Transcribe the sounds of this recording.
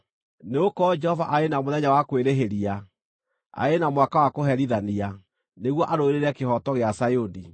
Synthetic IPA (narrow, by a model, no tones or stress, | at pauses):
neokɔd͡ʒɛhɔvaʔaenamoðɛɲawakweɾeɦeɾia | a̰enamwakawakoɦɛɾiðania | neɣwɔʔaɾoeɾeɾɛkehɔtɔɣeasajoni